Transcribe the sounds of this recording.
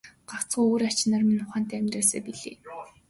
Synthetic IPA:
ɢawt͡sɢujoːɾḁt͡ɕ̆naːrminʊχaːn̥t̪æːæmʲt̪raːsæ̰ːpiɮḛː

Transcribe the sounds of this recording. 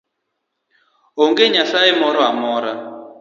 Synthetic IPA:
ɔŋɡeɲaɬaɛmɔɾɔamɔɾa

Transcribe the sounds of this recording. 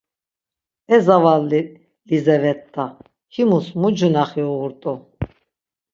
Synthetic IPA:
ɛzavalːi | lizɛvɛt̪ʼːa | himusmud͡ʒunaχiuɣuɾt̪ʼu

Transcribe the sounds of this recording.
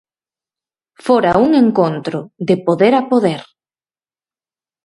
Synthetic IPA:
foɾauŋeŋkont̪ɾʊðɪpoðeɾapoðeɾ

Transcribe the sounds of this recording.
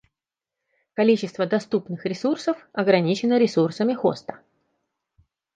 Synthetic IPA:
kɐlʲit͡ɕɪst̪vəd̪ɐst̪upnɨxɾʲɪsursəfɐɡɾɐnʲit͡ɕɪnəɾʲɪsursəmʲɪxo̰st̪ə̥

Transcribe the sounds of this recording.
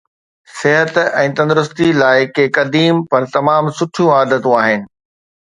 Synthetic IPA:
sɪɦət̪ɛ̃ːt̪ɐ̃nd̪ʊɾʊst̪ilaːɪkekɐd̪iːmpɐɾt̪ɐmaːmsʊʈʰijũaːd̪ət̪ũaːɦɪnɪ̆

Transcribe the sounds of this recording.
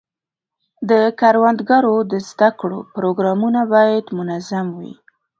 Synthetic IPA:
d̪əkaɾwand̪ɡaɾod̪əzd̪akɽo̰pɾoɡɾɑmunabɑjad̪mʊnazamwḭ

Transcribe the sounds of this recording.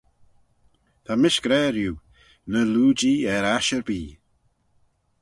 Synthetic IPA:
t̪ʰamɪʃɡ̥ɾɛːɾju | nəluːd͡ʒiːɛɾaʃəɾbiː

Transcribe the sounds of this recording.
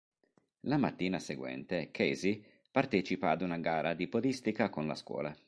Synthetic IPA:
lamat̪ːiːnaseɡwɛ̰nt̪ekʰezi | part̪ɛːt͡ʃipaːd̪unaɡaːɾʔad̪ipod̪ist̪ikakonla̰skwɔ̰ːla

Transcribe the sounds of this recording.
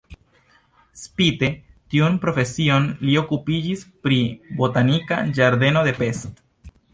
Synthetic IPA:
spite̞ | tiunpɾo̞fe̞sio̞nlio̞kupid͡ʒispɾibo̞tanika̰d͡ʒaɾd̪e̞no̞d̪e̞pe̞st

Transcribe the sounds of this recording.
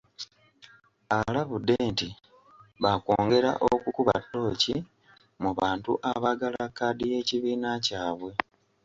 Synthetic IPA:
alaβudːeːnti | βako̞ːŋɡe̞ɾa̰ʔokukuβa̰tːo̞ːci | muβaːntuʔaβaɡalakːaːdije̞ciβiːnacaːβwe̞

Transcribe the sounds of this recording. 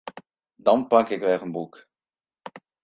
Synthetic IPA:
dɑnpɑkɪkʋɛʁənbuk

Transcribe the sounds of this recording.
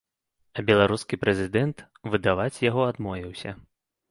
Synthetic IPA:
ɐbʲɛlˠaɾuskʲipɾɛzʲɨd̪ɛnt̪ | vɨd̪avat͡sʲjaɣɔad̪mɔvʲiwsʲɐ

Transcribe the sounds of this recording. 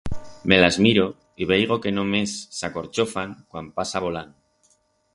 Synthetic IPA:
me̞lazmiɾo̞ | iβejɣ̞o̞ke̞nomesːako̞ɾt͡ʃo̞faŋkwampasaβo̞laŋ

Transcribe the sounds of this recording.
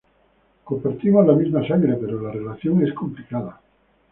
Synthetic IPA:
kopeɾt̪imozlamizmasaŋɡɾepe̞ɾolarelaθjoŋeskomplikað̞a

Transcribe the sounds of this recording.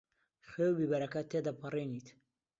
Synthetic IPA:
xewbiːbɐɾɐkɐt̪ʰeːd̪ɐpʰɨriːnit̪

